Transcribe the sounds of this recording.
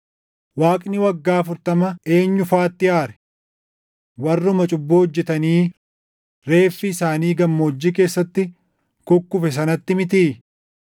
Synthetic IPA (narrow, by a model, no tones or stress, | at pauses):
waːkʼnɪwɐɡːaːɐfʊɾt̪ɐmɐe̞ːɲːʊfaːt̪ːɪaːɾɛ̥ | wɐrːʊmɐt͡ʃʼʊbːoɔd͡ʒːɛt̪ɐniː | ɾe̞ːfːiɪsaːniːɡɐmːoːd͡ʒːik̬e̞ːsːɐt̪ːɪ | kʊkːʊfɛs̬ɐnɐt̪ːɪmɪt̪̬iː